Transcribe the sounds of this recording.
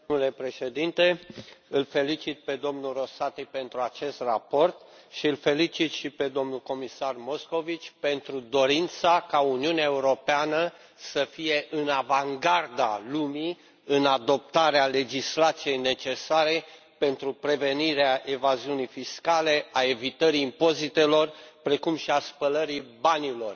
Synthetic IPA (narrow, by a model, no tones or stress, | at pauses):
ule̞pɾe̞ʃe̞d̪int̪e̞ɨlfe̞lit͡ʃit̪̚ped̪o̞mnuro̞sat̪ipe̞nt̪ɾuat͡ʃe̞st̪rapo̞rt̪ | ʃiɨlfe̞lit͡ʃit̪ʃiped̪o̞mnuko̞misarmo̞sko̞vit͡ʃʲpe̞nt̪ɾud̪o̞ɾint̪sakauniuneaeuɾo̞peanə | səfije̞ʔɨnavaŋɡard̪alumi | ɨnad̪o̞p̚t̪aɾeale̞d͡ʒislat̪sije̞jne̞t͡ʃe̞saɾe̞ | pe̞nt̪ɾupɾe̞ve̞niɾeaʔe̞vaziunijfiskale̞ae̞vit̪əɾiːmpo̞zit̪e̞lo̞rpɾe̞kumʃiaspələɾibanilo̞r